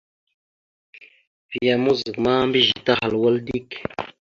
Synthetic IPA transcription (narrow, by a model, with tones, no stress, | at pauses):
vi˨ja˨mu˦zɡma˦mbi˦ʒi˨t̪a˦ha˨lwə˦ld̪i˦k